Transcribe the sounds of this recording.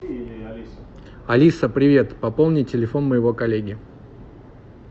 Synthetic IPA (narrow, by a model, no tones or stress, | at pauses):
ɐlʲisəpɾʲɪvʲe̞t̪pɐpo̞lˠnʲɪtʲɪlʲɪfo̞nməjɪvo̞kɐlʲeɡʲɪ